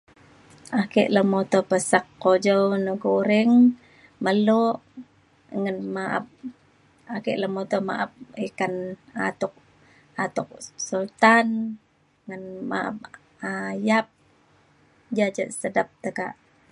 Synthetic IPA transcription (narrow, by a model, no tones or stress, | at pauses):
ʔakɛʔləmot̪opəsakːod͡ʒownəɡuɾɪŋ | məloʔ | ŋənmaʔa̰p̚ | akɪʔləmot̪oma̰ʔap̚ikanat̪ʊk̚ | at̪ʊk̚sult̪an | ŋənma̰ʔa̰p̚ | ajap̚ | d͡ʒad͡ʒəʔsədəp̚t̪əka̰ʔ